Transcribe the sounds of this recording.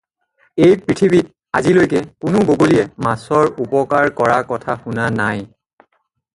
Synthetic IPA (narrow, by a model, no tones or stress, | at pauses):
ejpɹitʰibit̚ | a̰zilojkɛkʊnʊboɡoliɛmasɔɹupɔkaɹkɔɹakɔtʰaxʊnanaj